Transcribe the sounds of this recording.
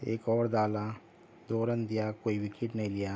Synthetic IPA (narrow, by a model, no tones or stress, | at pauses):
ḛːkɔːɾd̪aːla | d̪oːɾənd̪ijakoːiwɪkʰɪʈnəɦĩlɪjaː